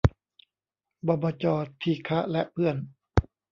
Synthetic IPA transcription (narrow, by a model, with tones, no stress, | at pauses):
bɔː˧baː˧t͡ɕɔː˧t̪ʰiː˧˩kʰa˦˥lɛ˦˥ʔpʰɯ˥˩ən